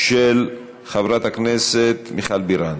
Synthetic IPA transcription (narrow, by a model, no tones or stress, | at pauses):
ʃel | χavɾat̪akneset̪miχalbiɾan